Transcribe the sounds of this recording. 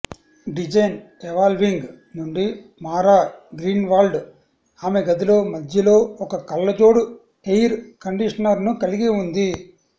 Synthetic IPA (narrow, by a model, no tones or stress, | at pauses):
ɖid͡ʒɐjn | eʋaːlʋiŋɡ | nuɳɖi | maːɾaːɡɾiːnʋaːlɖ | aːmeɡɐd̪ilo̞ːmɐd̪ʱjɐlo̞ːɔkɐkɐlːɐd͡ʒo̞ːɽu | ejɾkɐɳɖiʂɐnɐɾnukɐliɡiund̪i